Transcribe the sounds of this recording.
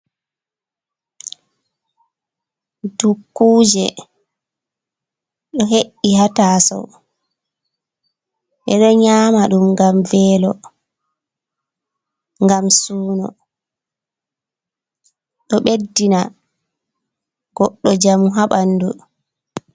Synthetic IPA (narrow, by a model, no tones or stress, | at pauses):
dukːuːd͡ʒɛ̰ | ɗɔɦeʔːihatasɔ̰ | ʔɛɗɔɲaːmaɗumŋɡamvɛːlɔ | ŋɡamsuːnɔ̰ | ɗɔɓedːina | ɡ̥ɔɗːɔd͡ʒamuɦaɓanːdu